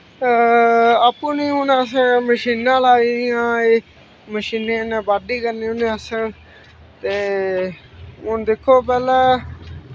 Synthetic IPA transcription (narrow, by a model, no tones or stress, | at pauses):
aːpːũːnĩːʊnəsəɽməʃiːnãːlaːijãːeː | məʃiːnẽːnẽːbaːɖiːkəɾneːonẽːəsəl | t̪eː | ʊnd̪ɪkʰːoːpɛːlaː